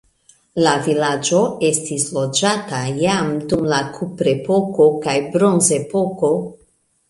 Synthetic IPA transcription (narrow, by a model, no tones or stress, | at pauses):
lavilad͡ʒo̞e̞stislo̞d͡ʒatajamdumlakʰupɾe̞po̞ko̞kajbɾonze̞po̞ko̞